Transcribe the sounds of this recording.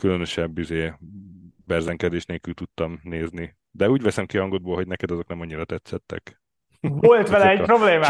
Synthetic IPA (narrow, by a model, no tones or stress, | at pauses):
kylønø̞ʃɛbːizeː | bɛrzɛŋkɛd̪eːʃt̪neːlkylt̪ut̪ːɒmneːzni | d̪ɛuːɟʋɛsɛmkiɒŋɡod̪̚boːlɦo̞ɟ̚nɛkɛd̪ɒzo̞knɛmɒɲːiɾɒt̪ɛt̪sɛt̪ːɛ̰k | ʋolt̪ʋɛlɛɛɟpɾobleːmaː